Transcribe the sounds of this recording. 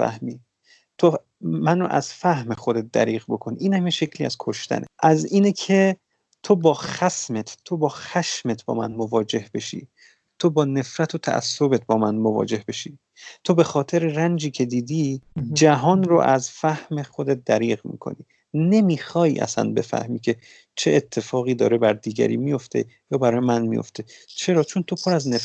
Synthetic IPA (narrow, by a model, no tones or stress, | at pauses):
fæ̰hmiː | t̪ʰo | mæno̰ʔæ̰zfæhmexod̪et̪̚d̪æ̰ɾiːɣbo̞kʰoniʔiːnhæmjeʃe̞cʰliːæz̥kʰoʃt̪æ̰neʔæziːnecʰe | t̪ʰobɒːxæsmet̪ʰt̪ʰːobɒːxæʃmet̪ʰbɒ̰ːmæ̰nmovɒːd͡ʒe̞hbe̞ʃḭː | t̪ʰobɒːne̞fɾæt̪ʰot̪ʰæ̰ʔæ̰sːobe̞t̪̚bɒːmænmovɒ̰ːd͡ʒe̞hbe̞ʃiː | t̪ʰo̞be̞xɒːt̪ʰe̞ɾerænd͡ʒiːcʰe̞d̪iːd̪iːd͡ʒæɦɒːnro̰ʔæzfæhme̞xo̞d̪e̞t̪̚d̪æɾiːɣmḭːkʰo̞̰nḭː | ne̞miːxɒːjʔæ̰sæ̰nbe̞fæ̰hmiːcʰe̞ | t͡ʃʰeʔet̪ʰːe̞fɒːɣiːd̪ɒ̰ːɾebæɾd̪iːɟæ̰ɾḭmijo̞ft̪ʰe̞̰jɒːbæɾɒːjemænmḭjo̰ft̪ʰe̞t͡ʃʰe̞ɾɒːt͡ʃʰo̞nt̪ʰo̞pʰoɾæzne